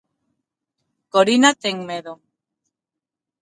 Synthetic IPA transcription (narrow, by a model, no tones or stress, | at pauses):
koɾinat̪eŋmeðo